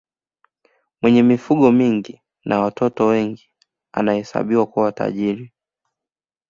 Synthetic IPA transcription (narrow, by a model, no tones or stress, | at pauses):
mwɛɲɛmifuɠɔmiŋɡi | nʔawatʰɔtɔwɛŋɡi | a̰nahɛsa̰ɓiwakuwawata̰ʄiɾi